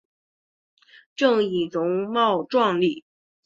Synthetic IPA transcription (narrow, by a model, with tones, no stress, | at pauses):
ʈ͡ʂɤ˥˩ŋi˨˩t͡sʊ˧˥ŋmɑ˥˧ʊʈ͡ʂwɑ˥˧ŋli˥˩